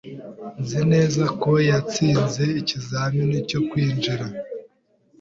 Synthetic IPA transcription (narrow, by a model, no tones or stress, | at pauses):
nzine̞ːzako̞jat͡siːnze̞icizaːmɲonico̞kwiːnd͡ʒiɾa